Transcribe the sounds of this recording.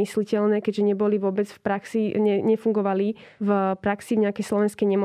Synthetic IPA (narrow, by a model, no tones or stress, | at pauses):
islicɛlnɛːkɛɟʒɛɲɛbɔliʋʊɔbɛd͡zfpɾaksiɲɛɲɛfuŋɡɔʋali | vpɾaksivɲɛakɛjslɔʋɛnskɛjɲɛmɔ